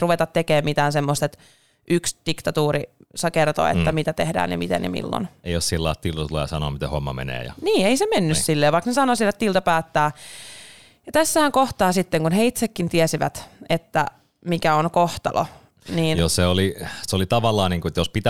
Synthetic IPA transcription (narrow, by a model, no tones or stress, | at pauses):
ruʋet̪ɑt̪t̪ːekeːmmit̪æːnsemːost̪et̪ | ʔyksd̪̥ikt̪ɑt̪uːɾisɑkert̪o̰iḛt̪ːæmit̪æt̪ehdæ̰ːnḭmit̪ḛnḭmḭlːo̰neijossilːɑ̰ˑt̪ilt̪ɑt̪ulḛjɑsɑno̰ːmit̪ehomːɑ̰mḛnḛːjɑ̰niːeisemenːyssilːeːʋɑiknesɑnoːsielet̪ːilt̪ɑpæːt̪ːæː | jɑt̪æsːæhæŋkoht̪ɑːsit̪ːeŋkunheit̪sekːint̪iɛsiʋæ̰t̪et̪ːæ | mikæonkoht̪ɑ̰lʔo̰ | niːnjosseolisolit̪ɑʋɑlːɑːniːŋkuet̪jospit̪æ